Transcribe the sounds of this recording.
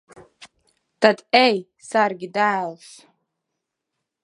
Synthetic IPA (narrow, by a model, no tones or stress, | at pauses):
d̥adej | sarɡʲidaːls